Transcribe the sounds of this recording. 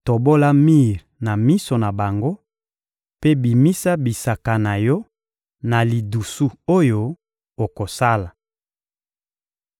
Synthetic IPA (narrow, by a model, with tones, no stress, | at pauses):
to˨bo˦la˦mi˦˨ʁ | na˨mi˦so˨na˨ba˨ŋɡo˦ | pe˦bi˨mi˦sa˦bi˨sa˨ka˨na˨jɔ˦ | na˨li˨du˨su˦o˦jo˨ | o˨ko˨sa˦la˨